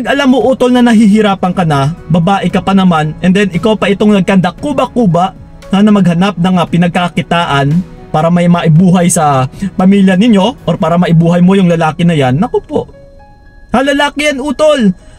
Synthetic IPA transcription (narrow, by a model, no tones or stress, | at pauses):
nɐɡʔɐlamːoʔuːt̪o̞lnɐnɐɦiɦɪɾaːpɐŋkɐnabɐbaːʔɪkɐpɐnɐmanʔɛnd̪ɛnʔɪkawpɐʔɪt̪oŋnɐɡ̚kɐnd̪ɐkuːbɐkuːbɐʔ | anɐmɐɡ̚hɐnap̚nɐŋɐpɪnɐɡ̚kakɪt̪aːʔɐn | paːɾɐmɐjmɐʔɪbuːɦɐjsɐpɐmiːljɐnɪɲjo̞ʔoɾpaːɾɐmɐʔɪbuːɦɐjmo̞jʊŋlɐlaːkɪnɐjanːɐkopo̞̰ʔ | hɐlɐlaːkɪjɐnʔuːt̪o̞l